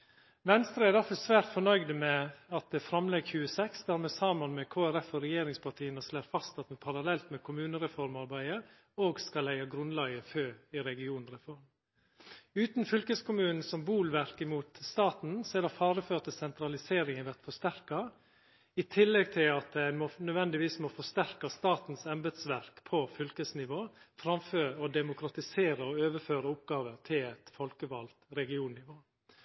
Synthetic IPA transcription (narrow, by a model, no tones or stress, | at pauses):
ʋɛnst̪ɾəæɛɾd̪æɾfɔsʋæːɾt̪fɔɳœʏɡd̪əmɛɑt̪̚d̪ɛfɾɑmlɛɡçʉːəsɛksd̪æːɾmɛsɑːmɑnmɛkʰoːæɾɛfɔɾɛjeːɾɪŋspʰɑʈʰiːənəsleːɾfɑst̪ɑt̪mɛpʰɑɾɑlɛlt̪mɛkʰʊmʉːnəɾɛfɔɾmɑɾbæɪə | oːɡskɑlæɪɑɡɾʉnlɑːɡəføːɪɾɛɡɪuːn̩ɾɛfɔɾm | ʉːt̪n̩fʏlkəskʊmʉːnn̩sɔmbuːlʋæɾkəmuːt̪st̪ɑːt̪n̩sɛd̪ɑfɑːɾəføːt̪əsɛnt̪ɾɑlɪseːɾɪŋənʋæɾt̪fɔst̪æɾkɑ | ɪt̪ʰɪlːɛɡ̚t̪ʰɪlɑt̪̚d̪æmɔnœʋɛnd̪ɪʋiːsmɔfɔst̪æɾkɑst̪ɑːt̪n̩sɛmbəd̪sʋæɾkpʰɔfʏlkəsnɪʋoːfɾɑmføːɾɔd̪ɛmʊkʰɾɑt̪ɪseːɾəɔøːʋəføːɾəʊpɡɑːʋəɾt̪ʰɪlɛt̪fɔlkəʋɑlt̪ɾɛɡɪuːnnɪʋoː